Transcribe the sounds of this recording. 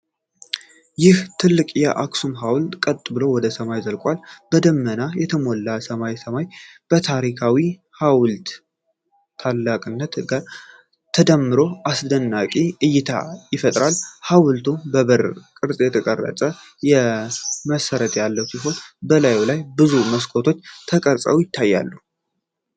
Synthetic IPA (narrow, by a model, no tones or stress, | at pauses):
jɪht̪ʰɨlːɨkʼjɛʔaksumɦawlt̪ʼkʼət̪ʼːɨbɨlowɔd̪əsəmajzəlkʼwalb̥əd̪əmːənajɛt̪ʰəmolːasəmajsəmajb̥ət̪ʰaɾikʰawi | hawlt̪ːʰ | alːakʼɨnːət̪ɡa | t̪ʰəd̪əmːɨɾo̞ʔasd̪ənːakʼiɨjːɪt̪ʰa̰jɪfət̪ʼɾalhawlt̪ʰubəβəɾkʼɨɾsʼjɛt̪ʰəkʼərːə̰sʼə | jɛməsəɾət̪jalːəwsiɦo̞nbəlajulajbɨzuməskʼo̞t̪ʰo̞t͡ʃːt̪ʰəkʼəɾsʼə̰wjɪt̪ʰːajːa̰lːu